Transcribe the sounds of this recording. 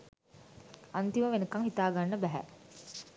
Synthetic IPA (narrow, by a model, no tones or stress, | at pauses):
ant̪iməʋenəkaŋhit̪aːɡanːəbæɦæ̰